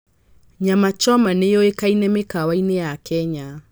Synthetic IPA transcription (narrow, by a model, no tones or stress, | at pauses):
ɲamat͡ʃɔmanejɔekainɛmekawainejakʰɛɲa